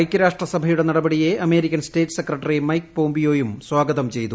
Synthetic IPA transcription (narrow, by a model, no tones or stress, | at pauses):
jkʲːɐɾaːʂʈrɐsɐbʱɐjuɽe̞nɐɽɐbɐɽije̞ɐme̞ːɾikʲːɐnste̞ːʈːsekːrɐʈːɐrimɐjkːpoːmbijo̞ːjumswaːɡɐðɐmt͡ɕe̞jt̪u